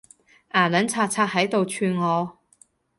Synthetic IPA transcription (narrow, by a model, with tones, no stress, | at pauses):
ʔaː˨˩lɐ˨˥nt͡sʰaː˧t̚t͡sʰaː˧t̚hɐ˨˥jt̪o˨wt͡ʃʰyː˧nŋɔː˨˧